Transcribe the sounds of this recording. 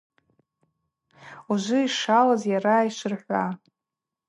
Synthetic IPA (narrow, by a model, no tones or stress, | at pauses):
uʒʷʊiʂalazjaɾaiʃʷɨrħʷa